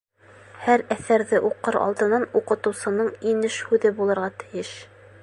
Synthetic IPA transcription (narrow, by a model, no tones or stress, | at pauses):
hæɾæθæɾðɘʔuqɤɾɑ̰lˠt̪ɤ̆nɑnuqɤ̆t̪ɤ̆wsɤ̆nɤɴinɘʃhʉðɘbulˠɤ̆ɾʁɑt̪ɘ̥̆jɘʃ